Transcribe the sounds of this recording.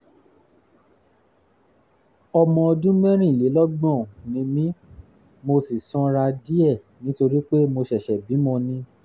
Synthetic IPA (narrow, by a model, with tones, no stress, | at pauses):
ɔ˧mɔ̃˧ɔ˧dũ˦mɛ̃˦ɾ̃ĩ˦˨le˨˦lɔ˦ɡ͡bɔ̃˦˨nĩ˨˧˦mĩ˨˦ | mo˧si˨sɔ̃˧ɾa˧di˦ɛ˦˨ | nĩ˨˦to˧ɾi˦k͡pe˦mo˧ʃɛ˨ʃɛ˨bi˨˦mɔ̃˧nĩ˧